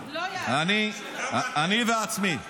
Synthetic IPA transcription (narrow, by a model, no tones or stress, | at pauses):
ani | aaniðatsmi